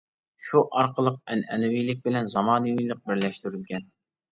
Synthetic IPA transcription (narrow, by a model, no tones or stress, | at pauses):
ʃuʔɑɾqʰəlˠəq̚ɛnɛ̰nɪwijlɪk̚ʲbɪlɛnzɑmɑːnɨwijlˠəq̚bɪɾlɛʃt̪yɾylɡʲɛn